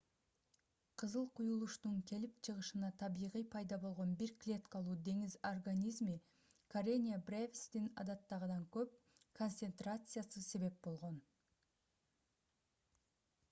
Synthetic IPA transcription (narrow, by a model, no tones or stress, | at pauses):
qʰɯzɯlˠqʰujulˠuʃt̪uŋkʲʰe̞lipt͡ʃʰɯʁɯʃɯnɑt̪ʰɑβijʁijpʰɑjd̪ɑbo̞lˠʁo̞nbiɾklʲe̞t̪kɑlˠuːd̪e̞ŋizorɡanʲizmi | kʰoɾʲenʲɪabrʲevʲst̪inɑ̰d̪ɑt̪ːɑʁɯd̪ɑŋkøp̚ | kʰo̞nt̪sent̪rat̪sɨjasɨse̞βe̞p̚bo̞lˠʁo̞n